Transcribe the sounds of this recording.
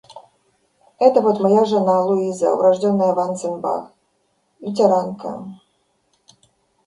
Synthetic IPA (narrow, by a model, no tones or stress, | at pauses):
ɛt̪əvot̪mɐjaʐɨnalˠʊizə̰ʊ̰ɾɐʐdʲonːəjəvansɨnʲba̰ | itʲɛɾankə̰